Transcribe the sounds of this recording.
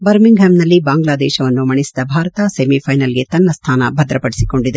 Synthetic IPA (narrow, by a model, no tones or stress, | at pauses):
bɐɾmiŋɡɦemnɐlːibaːŋɡlaːd̪ɛːʃɐʋɐnːumɐɳisid̪ɐbʱaːɾɐt̪ɐsemipʰɐjnɐlɡe̞t̪ɐnːɐst̪ʰaːnɐ̰bɐd̪ɾɐpɐɽisiko̞ɳɖid̪e